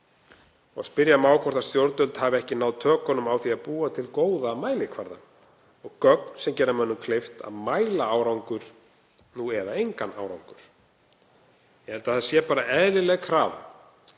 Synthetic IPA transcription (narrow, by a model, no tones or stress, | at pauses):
ɔ̰ɣspɪɾjamaːwkʰɔr̥t̪ast̪jowɾt̪ʏlt̪haːvɪɛhcɪnawðt̪ʰœːkɔnːʏmawθiaðpuːat̪ʰɪlkoːwðamaːjlɪkʰvaɾða̰n | ɔɣkœknsɛmcɛːɾamœnːʏmkʰlejft̪a̰ðmaːjlaaːwɾawŋkʏɾ̥ | nuɛðaejŋkana̰ːwɾa̰wŋkʏɾ̥ | jɛhɛlt̪aθaasjɛpaːɾaɛðlɪlɛɣkʰɾaːv